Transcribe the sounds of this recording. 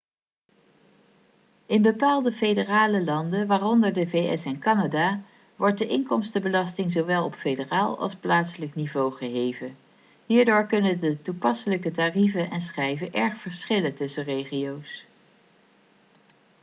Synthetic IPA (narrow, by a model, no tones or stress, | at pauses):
ɪnbəpaːlˠdəfejdəraːləlɑndəʋaːrɔndəɹdəvejɛ̰sɛnkɑnadaː | ʋɔɹt̚dəʔɪŋkɔmstəbəlɑstɪŋzowʋɛlˠɔpfejdəraːlˠɑ̰lˠsplaːtsələknivowχəɦejvən | ɦiːɹdoːɹkɵnədətupɑsələkətarivənʔɛnsχɛjvənʔɛɹχfəɹsχɪləntɵsərejχiows